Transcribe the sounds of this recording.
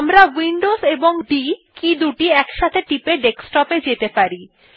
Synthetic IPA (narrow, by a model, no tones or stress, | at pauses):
amɾawiɳɖoseboŋɖikid̪uʈiɛkʃat̪ʰeʈipeɖeksʈɔped͡ʑet̪epaɾi